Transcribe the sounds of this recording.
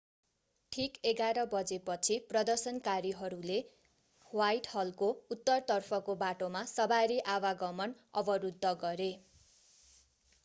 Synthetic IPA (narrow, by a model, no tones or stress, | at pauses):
ʈʰikeɡaɾʌbʌd͡zepʌt͡sʰiprʌd̪ʌrsʌnkaɾiɦʌɾule | wajʈhʌlkout̪ːʌrt̪ʌrpʰʌkobaʈomasʌbaɾiʔawaɡʌmʌnʌ̰bʌɾud̪ʱːʌɡʌɾe